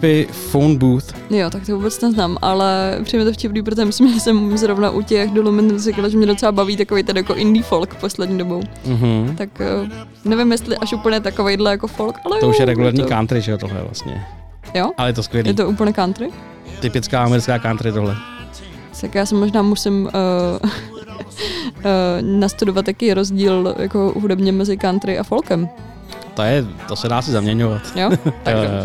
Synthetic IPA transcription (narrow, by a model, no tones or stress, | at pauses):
pɪ | fownbuːθ | jot̪ak̚t̪ovuːbɛt͡snɛznaːmʔa̰lɛpr̥ijmɲɛt̪ofcɪpniːp̬ɾot̪oʒɛmɪslɪmʒɛsɛmzɾovnaʔucɛxdolumɪnzɪkalaʒɛmɲɛdot͡sɛlabaviːt̪akovejt̪ɛnjakoʔɪndiːfolkposlɛdɲiːdobow̩ɦ̩t̪akː | nɛvɪmjɛst̪lɪʔaʃuːpl̩ɲɛt̪akovejdlɛjakofolkʔalɛt̪ouʃjɛɾɛɡulɛɾɲiːkaːnt̪ɾɪʒɛot̪oɦlɛ̰vla̰st̪ɲɛ̰ | joʔalɛjɛt̪̬oskʋjɛlijɛt̪oʔuːpl̩ɲɛkant̪ɾɪ | t̪ɪpɪt͡skaːamɛɾɪt͡skaːkant̪ɾɪt̪oɦlɛ | t̪akjaːsɛmoʒnaːmusɪm | nast̪udovat̪jakejɾozɟiːlja̰ko̞̰ɦudɛbɲɛmɛzɪkant̪ɾɪʔafo̞lkɛm | t̪ojɛt̪osɛdaːsɪzamɲɛɲovat̪jot̪ao